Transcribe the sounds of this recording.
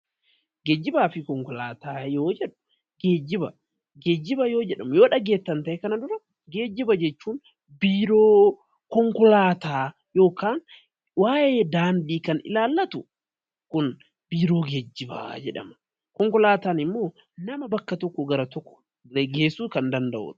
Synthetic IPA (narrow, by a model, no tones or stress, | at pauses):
ɡed͡ʒːɪbaːfɪkɔŋkɔlaːt̪aːjoːd͡ʒɛᶑʊ̥ | ɡeːd͡ʒːɪbɐ̰ | ɡeːd͡ʒːɪbɐjoːd͡ʒɛᶑɐmʊjoːᶑɐɡe̞ːt̪ːɐnt̪ɐʔɛkɐnɐd̪ʊɾɐ | ɡe̞ːd͡ʒːɪbɐd͡ʒɛt͡ʃːuːn | biːɾoː | kɔŋkɔlaːt̪aː | jo̞ːkaːn | waːjeːd̪aːnd̪iːkɐnɪ̰laːlːɐt̪ʊ | kʊn | b̥iːɾo̞ːɡeːd͡ʒːɪbɐ̰d͡ʒɛᶑɐ̰mɐ̥ | kɔŋkɔlaːt̪aːnɪmːo̞ː | nɐmɐbɐkːɐt̪ɔkːɔɡɐɾɐt̪ɔkːɔ̥ | ɡeːsuːkɐnd̪ɐnd̪ɐʔʊ̰t̪